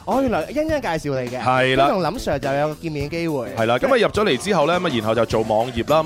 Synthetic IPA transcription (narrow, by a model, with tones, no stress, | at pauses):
ʔɔː˨˧jyː˨˩nlɔː˨˩ɔ˨˧jɐ˥n̚jaː˥kaː˧jsiː˨˧wle˨˧jkɛ˧hɐ˨˩jjlaː˥˧jʊ˨˩ŋlɐ˨˥msœː˨˩ŋt͡sɐ˨wjɐ˨˧wkɔː˧kiː˧nmiː˨˧nke˥jwuː˨˩jhɐ˨˧jlaː˧kɐ˨˥maː˨˧jɐ˨p̚t͡sɔ˨˥le˨˩jt͡siː˥ɦɐ˨wlɛː˥mɐ˧jiː˨˩nɦɐ˨wt͡sɐ˨˩wt͡so˨˩wmɔː˨˧ŋjiː˨p̚laː˥